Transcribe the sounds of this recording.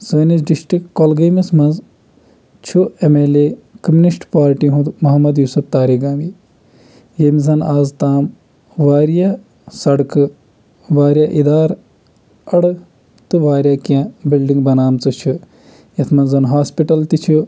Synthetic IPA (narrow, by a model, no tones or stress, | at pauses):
səːnisɖisʈɾikkolɡɐmismɐnz | t͡ʃʰuemeːleːkɐmjunisʈpaːɾʈiɦũd̪mɐɦɐmɐd̪jusupt̪aːɾiɡaːmi | jemizɐnaːzt̪aːm | ʋaːɾja | sɐɽkɨ | ʋaːɾjaːʔid̪aːɾ | ɐɽ | t̪ɨʋaːɾjaːkãːbilɖiŋɡbɐnaːmt͡sɨt͡ʃʰu | jɐt̪ʰmɐnzɐnɦaːspiʈɐlt̪it͡ʃʰu